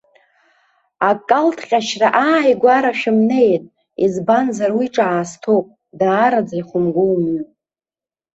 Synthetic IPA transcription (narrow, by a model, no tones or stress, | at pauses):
akʼaltʰχʲʼaʃraʔaːjɡʷaɾaʃᶣʊmnejtʼ | izbanzaɾwiʈ͡ʂʼaaːstʰopʼ | daːɾad͡zaiχʷʊmɡʷowmɥu